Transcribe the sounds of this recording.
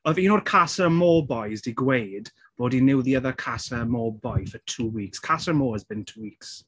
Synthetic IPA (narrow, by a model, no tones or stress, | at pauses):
əðinɔrkʰasəmɔːbɔjzdiɡwejd | b̥oːdinɪwðiəðəkʰasəmɔːbɔjfətʰuːwiːkskʰasəmɔːəzbɪ̃ntʰuːwiːks